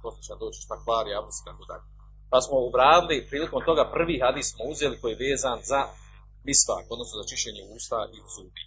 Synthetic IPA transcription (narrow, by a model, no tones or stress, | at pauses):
poset͡ʃead̪oːt͡ɕi̥ʃt̪aklaːɾiabusi̥t̪akod̪a̰ʎe | pasmo̞ubɾaːdilipɾiːliko̞mt̪o̞ɡapr̩ʋiːɦad̪iːssmouzje̞liko̞jijeʋeːzanza | misfa̰ːko̞d̪nosnozat͡ʃiʃeːɲeuːst̪aʔizuːd̪ḭ